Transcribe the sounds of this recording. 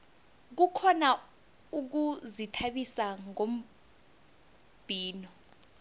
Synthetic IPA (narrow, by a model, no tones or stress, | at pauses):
k̬ukʰɔna | uk̬uzitʰaɓisaŋom̩ | b̥ʱiːnɔ